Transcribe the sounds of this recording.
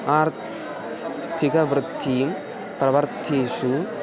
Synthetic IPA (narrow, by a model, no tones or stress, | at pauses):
aːɾ | t̪ʰikɐʋɾɨd̪ʱːijum | pɾɐʋɐɾt̪ʰiːʃu